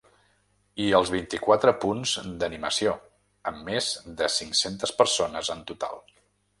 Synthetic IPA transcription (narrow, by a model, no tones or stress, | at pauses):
iəlˠzβ̞int̪ikwat̪ɾəpunzd̪əniməsio | əmːezd̪əsiŋsent̪əspəɾsonəzənt̪ut̪a̰lˠ